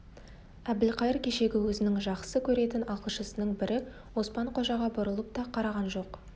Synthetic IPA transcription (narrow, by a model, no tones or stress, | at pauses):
æb̚d̪ɪlqʰɑjɪɾkʲʰe̞ʃe̞ɡʲɪwɵzɪnɪŋʒɑqsəkʲʰɵɾe̞t̪ɪnɑqəlˠʃəsənəɴbɪɾʔɪ | wo̞spɑɴqʰo̞ʒɑʁɑbʊɾəlˠəp̚t̪ɑqʰɑɾɑʁɑnʒo̞q